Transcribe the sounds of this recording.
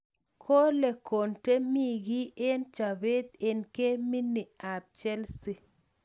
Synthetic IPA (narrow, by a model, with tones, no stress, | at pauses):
kʰo˦le˨ko˨nte˦mi˦ɡi˦ʔe˦nt͡ʃa˨be˦t̪e˨nke˦mi˦ni˨a˨p̚t͡ʃɛ˦lsi˦